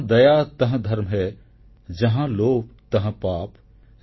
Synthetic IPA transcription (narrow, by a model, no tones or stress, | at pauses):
d̪ɐjat̪ɐɦə̃d̪ʱɐɾmɦɛ | d͡ʒɐɦãloːkt̪ɐɦə̃paːp